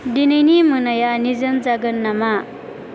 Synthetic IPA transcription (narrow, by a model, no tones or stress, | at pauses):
dinɯjnimɯnajanizɐnzaɡɯnːama